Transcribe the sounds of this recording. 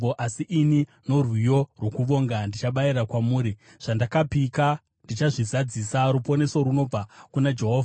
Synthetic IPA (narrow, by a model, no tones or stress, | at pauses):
oʔasiʔːnino̞rwijo̞rwokuʋo̞ŋɡandit͡ʃaɓaiɾakwamuːɾi | ʐ̥andakapika | ndit͡ʃaʐizad͡zisaɾupo̞ne̞so̞ɾuno̞b͡vakunad͡ʒe̞ɦoːvaa